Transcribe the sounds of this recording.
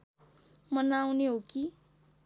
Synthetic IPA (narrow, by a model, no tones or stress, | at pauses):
mʌnawneɦoki